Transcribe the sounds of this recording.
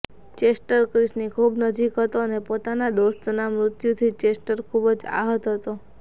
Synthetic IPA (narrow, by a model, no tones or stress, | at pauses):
t͡ʃesʈəɾkɾɪsnikʰubnəd͡ʒikɦət̪oənepot̪anad̪ost̪namɾʊt̪jut̪ʰit͡ʃesʈəɾkʰubd͡ʒa̰ɦət̪ɦət̪o